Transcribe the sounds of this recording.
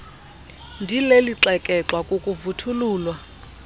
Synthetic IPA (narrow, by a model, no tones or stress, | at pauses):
ndʱileliǁɛkʼɛǁwakʼukʼuvutʰuluːlwa